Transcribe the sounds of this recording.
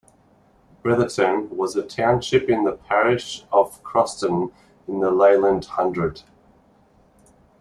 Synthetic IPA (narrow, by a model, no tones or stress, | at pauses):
b̥ɹɛðətɨ̃nwʌzɨtʰãʊ̃nʃɪpɨ̃nðəpʰæɹɪʃʌv̥kʰɹ̥ɔstə̃n | ɨ̃n̩ðəleɪlˠə̃ndhʌ̃ndɹəd̥